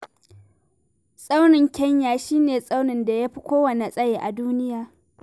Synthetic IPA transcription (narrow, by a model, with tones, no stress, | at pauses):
sʼa˦wnɪ˨ŋkʲɐ˦ɲjaː˨ʃiː˦neː˨sʼa˦wnɪ˨nda˨ja˦ɸi˦kʷoː˦wɐ˨ne˨sʼɐ˦jeː˨ʔa˨duː˦nɪ˦jaː˨